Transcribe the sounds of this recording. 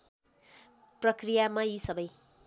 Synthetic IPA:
prʌkrijamajisʌbʌj

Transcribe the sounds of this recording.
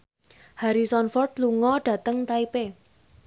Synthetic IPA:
haɾisɔnfɔrt̪̚luŋɔɖ̥ä̤t̪əŋt̪aipe

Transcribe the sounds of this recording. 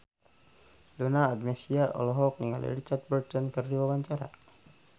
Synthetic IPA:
lunaːdmɛsiaʔɔ̰lɔɦɔk̚niŋalḭɾit͡ʃart̪̚bɛrt̪ɔnkɨrdiwawaɲt͡ʃaɾa̰

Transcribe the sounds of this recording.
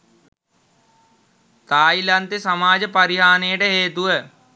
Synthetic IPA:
t̪aːilɐnt̪esɐmaːd͡ʒpɐɾɪɦaːneːʈeɦeːt̪uə

